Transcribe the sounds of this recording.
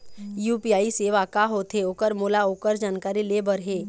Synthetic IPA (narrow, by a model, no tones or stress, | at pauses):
juːpiaːiseːʋakaɦoːt̪ɦeoːkəɾmoːlaoːkəɾd͡ʒaːnkaːɾilebəɾɦeː